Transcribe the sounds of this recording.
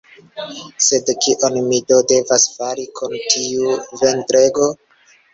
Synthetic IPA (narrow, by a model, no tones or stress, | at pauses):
se̞dkiʔonmido̞de̞vasfaɾikʰontʰiuve̞ntɾe̞ɡo̞